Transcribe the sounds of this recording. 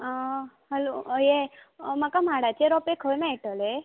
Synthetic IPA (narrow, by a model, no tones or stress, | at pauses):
ɦəlojemakamaɽat͡ʃʰeɾɔpekʰəʋemãiʈəle